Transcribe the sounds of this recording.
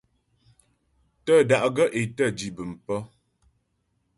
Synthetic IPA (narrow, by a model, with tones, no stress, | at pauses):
tə˦˨da˨ʔɡə˦ʔe˨tə˦˨d͡ʒi˨bɨ˨m̩˨pə˦